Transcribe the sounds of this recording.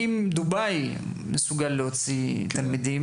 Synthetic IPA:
imd̪ubaj | mesuɡalːeot͡sit̪almid̪im

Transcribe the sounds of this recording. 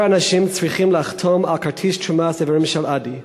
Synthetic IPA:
anaʃimt͡sɹiχimleaχt̪ʰomalkaɹtʰiʃt͡ʃumaseviɹimʃelʔadi

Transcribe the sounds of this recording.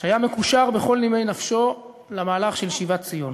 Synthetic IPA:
ʃeajame̞kuʃaʁbe̞χo̞lnime̞jnafʃo̞ | lamaːlaχʃelʃivatt͡sijon

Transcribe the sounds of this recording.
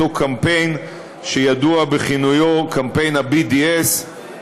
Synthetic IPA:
okʰampejn | ʃejaduabeχinujokampe̞jnabidies

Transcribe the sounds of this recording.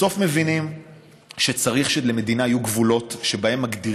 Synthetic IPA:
o̞fme̞vinim | ʃe̞t͡saʁiχʃeleme̞d̪inaːjuɡvulo̞tʃe̞bae̞mːaɡd̪i

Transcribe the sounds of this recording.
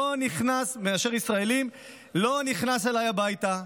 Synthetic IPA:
oniχnasmeaʃe̞ʁisʁae̞lim | lo̞niχnaselajabajta

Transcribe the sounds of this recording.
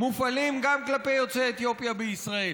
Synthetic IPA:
mufalimɡamklape̞jo̞t͡seːt̪jo̞pjabeisʁae

